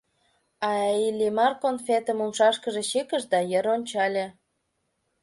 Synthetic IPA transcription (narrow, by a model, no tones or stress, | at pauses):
ɑilʲimɑrkonfet̪əmumʃɑʃkəʒĕɕikəʃd̪ɑjəɾonʲt͡ɕɑlʲe